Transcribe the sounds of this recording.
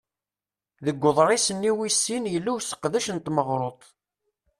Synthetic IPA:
ðəɡʷːʊðˤɾˤisənːiwisːinjəlːuwsə̥qðæʃənt̪məʁɾot̪ˤ

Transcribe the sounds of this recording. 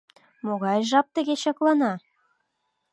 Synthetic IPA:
moɣɑjʒɑp̚t̪ə̆ɣeɕɑklˠɑnɑ

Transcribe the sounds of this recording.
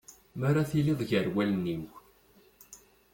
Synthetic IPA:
maɾaθilɪðˤʝəɾwælniw

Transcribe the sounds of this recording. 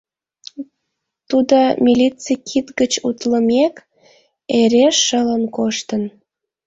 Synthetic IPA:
t̪ud̪omʲilʲit͡sikʰit̪ɡət͡ɕut̪ləmek | eɾeʃːələnkoʃt̪ən

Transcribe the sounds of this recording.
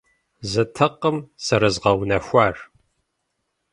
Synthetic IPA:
zɨtʰɐqəmsɐɾɨzʁɐwnɐxʷaːr

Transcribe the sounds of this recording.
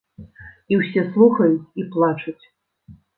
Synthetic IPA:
iwsʲɛslˠuxɐjut͡sʲiplˠat͡ʂut͡sʲ

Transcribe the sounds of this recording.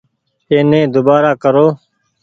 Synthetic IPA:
eːnẽːd̪ʊbaːɾaːkəɾoː

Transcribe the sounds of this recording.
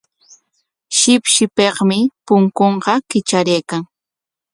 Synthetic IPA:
ʃɪpʃɪpeχmɪpʊŋkoɴqɑkɪt͡ʃaɾejkaŋ

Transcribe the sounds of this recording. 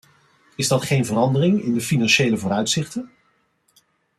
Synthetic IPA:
ɪzdɑtχejnvərɑndərɪŋɪ̰ndəfinɑnʃejləvʊːɾœɥtsɪχtən

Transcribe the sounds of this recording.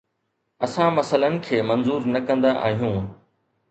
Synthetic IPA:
ɐsãmɐsələnɪ̆kʰeːmɐ̃nzuːɾnɐkɐ̃nd̪aʔa̰ːɦijũː

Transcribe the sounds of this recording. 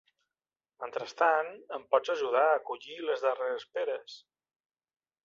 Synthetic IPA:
mənt̪ɾəst̪anəmpɔd͡zəʒuð̞aəkuʎiləzðəreɾəspeɾəs

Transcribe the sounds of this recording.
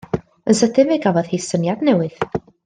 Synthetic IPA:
ənsədɪveɡavɔð̥hesənjadnɛwɨð̥

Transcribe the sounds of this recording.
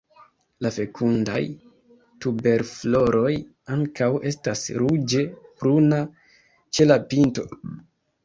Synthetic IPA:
lafe̞kʰunda̰j | tube̞ɾflo̞ɾo̞j | aŋkawe̞stasɾud͡ʒe̞pɾuna | t͡ʃe̞lapinto̞̰

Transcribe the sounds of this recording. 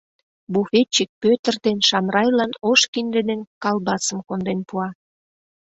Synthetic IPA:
bufet͡ɕik̚pøt̪ə̆rd̪enʃɑmrɑjlɑnoʃkind̪ed̪enkɑlbɑsəmkond̪enpuɑ

